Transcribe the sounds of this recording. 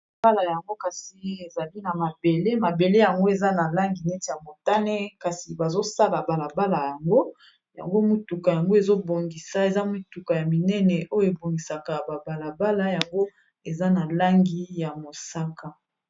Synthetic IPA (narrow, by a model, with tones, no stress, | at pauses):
ba˦la˨ja˨ŋɡo˦ka˨si˨e˨za˨li˦na˨ma˨be˨le˦ma˨be˨le˦ja˨ŋɡo˦e˨za˦na˨la˦ŋɡi˨nɛ˦ti˨ja˨mo˨ta˦nɛ˦ka˨si˨ba˨zo˦sa˦la˨ba˨la˨ba˦la˨ja˨ŋɡo˦ | ja̰˨ŋɡo˦mu˦tu˨ka˨ja˨ŋɡo˦e˨zo˦bo˨ŋɡi˨sa˦e˨za˦mu˦tu˨ka˨ja˨mi˨nɛ˦nɛ˨ʔo˦jo˦˨e˨bo˨ŋɡi˨sa˨ka˨ba˨ba˨la˨ba˦la˦ja˨ŋɡo˦ | e˨za˦na˨la˦ŋɡi˨˦ja˨mo˨sa˦ka˨